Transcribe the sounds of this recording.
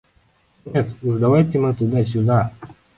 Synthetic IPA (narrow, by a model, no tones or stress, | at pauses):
nʲet̪uzd̪ɐvajt̪ʲɪmɨt̪ud̪asʲʊd̪a